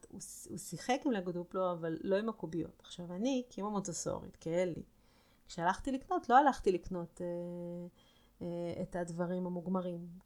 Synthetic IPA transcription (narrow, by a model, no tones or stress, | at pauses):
ṵsusiχekimleɡduploavalːo̞imakubijo̞̰tḁχʃavanikimamotoso̰ʁḭt̪keelḭ | kʃealaχt̪ilikno̞tlo̞alaχtilikno̞t̪e | ḛtadvaʁimhamuɡmaʁim